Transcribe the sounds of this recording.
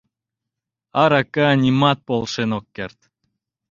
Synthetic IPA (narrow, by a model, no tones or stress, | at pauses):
ɑɾakanʲimɑt̪̚polˠʃenokːert̪